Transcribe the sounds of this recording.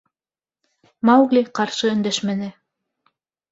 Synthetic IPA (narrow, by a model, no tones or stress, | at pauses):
mɑwɡlʲiqɑɾʃɤɵ̆nd̪æʃmæ̆nɘ